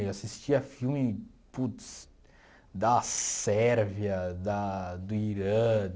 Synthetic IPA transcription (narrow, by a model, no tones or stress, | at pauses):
asist͡ʃiɐfiwmĩ | put̪s | d̪ɐsɛɾviɐd̪ɐd̪ʊiɾɐ̃